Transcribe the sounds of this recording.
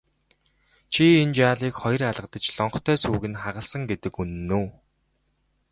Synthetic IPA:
t͡ɕʰient͡ɕaːɮiːkχɔj̆raɮʁə̆qt̪ə̆t͡ɕɮɔɴχt̪ʰœːsuːɣɘ̆nχaʁə̆ɮsə̆ŋɡet̪ɘ̆kunːuː

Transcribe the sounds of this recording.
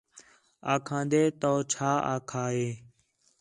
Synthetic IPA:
aːkʰãːnd̪eːt̪oːt͡ʃʰaːa̰ːkʰaːɦeː

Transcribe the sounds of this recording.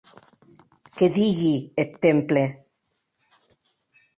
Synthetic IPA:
keðiɣiet̪ːemple

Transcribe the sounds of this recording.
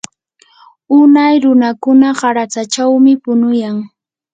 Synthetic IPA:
ʊnajɾʊnakʊnaɢɑɾat͡sat͡ʃawmɪpʊnʊjaŋ

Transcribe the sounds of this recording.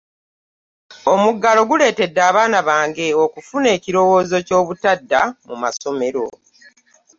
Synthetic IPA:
o̞muɡalo̞ɡule̞ːte̞dːaːβaːnaβaːŋɡe̞o̞kufune̞ːciɾo̞wo̞ːzo̞co̞ːβutadːamuma̰so̞me̞ɾo̞̰

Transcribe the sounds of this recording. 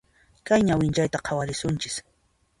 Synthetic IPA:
kajɲawɪnt͡ʃajt̪aqʰɑwaɾɪsʊnt͡ʃɪ̥s

